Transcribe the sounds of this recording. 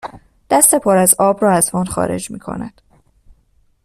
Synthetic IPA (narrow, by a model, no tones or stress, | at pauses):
d̪̥æst̪epʰɒːɾæzɒːbɾɒːæzmɒːnxɒ̰ːɾe̞̰d͡ʒmḭːkʰo̞̰næ̰d̪̥